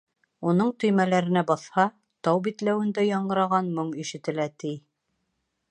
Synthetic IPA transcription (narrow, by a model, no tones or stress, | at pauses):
unɤɴt̪ɵ̆jmælæɾɘ̆næbɑθhɑ | t̪ɑwbit̪læwɘ̆nd̪æjɑɴɢɤ̆ɾɑʁɑnmɤɴiʃɘ̆t̪ɘ̆læt̪ij